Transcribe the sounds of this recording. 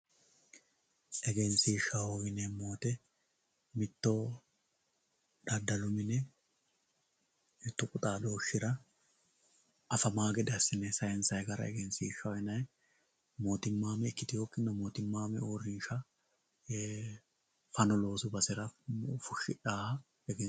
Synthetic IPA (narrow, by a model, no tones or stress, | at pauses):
ʔɛɡɛnsiʃɐwowɪnɛmːoːt̪ɛ | mɪt̪ːo | ᶑɐd̪ːɐlʊmɪnɛ | ɛt̪ːʊkʼʊt̪ʼaːd̪o̞ːʃɪɾɐ | ʔɐfɐmaːɡɛd̪ɛsɪnɛsɐjɛnsɐjɡɐɾɐ̰ɛ̰ɡɛnsiʃːɐɛnɐj | mo̞ːt̪ɪmːaːmɛːkːɪt̪ɪjoːkːɪnːɔmoːt̪ɪmːaːmɛoːɾɪnʃɐ | fɐnɔlo̞ːsʊbɐsɪɾɐfʊʃːɪᶑaːhɐ | ɛɡɛ